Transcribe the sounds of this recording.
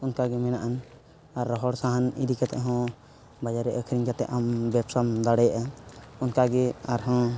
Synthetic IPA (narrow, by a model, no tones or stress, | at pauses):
unkaɡɛmɛnaʔan | aɾːɔɦɔɽsaɦanḭd̪ikat̪ɛ̰ʔɦɔ̃ | bad͡ʒaɾɛʔəkʰɾiŋd͡ʒat̪ɛ̰ʔambɛpsamd̪aɽɛjaʔaunkaɡɛaɾɦɔ̃